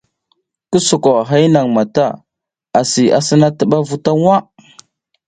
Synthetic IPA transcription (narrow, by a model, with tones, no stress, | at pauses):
kə˦su˨ko˨ɦa˦i˦na˨ŋma˨ta˦˨ | a˨si˨ʔa̰˨sə˦na˦tə˦ɓa˦vu˦ta˦ŋ˦a˦